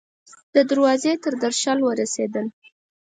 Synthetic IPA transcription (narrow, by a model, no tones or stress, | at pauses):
d̪̥əd̪əɾwɑzet̪əɾd̪aɾʃalwəɾased̪əl